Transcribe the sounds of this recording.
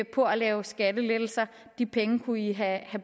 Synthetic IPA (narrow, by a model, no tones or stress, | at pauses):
pʰɒ̽ælɛːʊsɡ̥æd̥əled̥l̩sɐ | d̥ipʰeŋəkʰuiɦæhæb